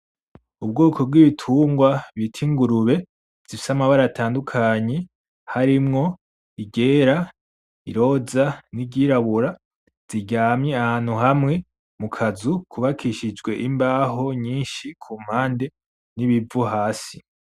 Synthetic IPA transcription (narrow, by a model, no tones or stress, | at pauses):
ub̚ɡoːkʰo̞b̚ɡwiβitʰuːŋɡwaβitʰiŋɡuɾuβe̞ | z̥ifi̥samaβaɾatʰaːndukʰaɲe̞ | haɾimŋo̞ | iɟe̞ːɾa | ḭɾo̞ːzaniɟiːɾaβuɾa | z̥iɟaːmɲeahaːn̥huɦamŋe̞ | mukʰazukʰuβakʰiʃid͡ʒɡwe̞ʔimbaːɦo̞ɲiːnʃikʰuːm̥haːnde̞ | niβivuɦaːsi